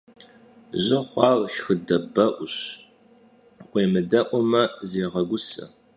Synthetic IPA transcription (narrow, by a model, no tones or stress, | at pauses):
ʑɪχʷɑːrʃxɨdɐbɐʔʷʊɕ | χʷeːmɨdɐʔʷɔmɐzeːʁɐɡʷʊsɐ̰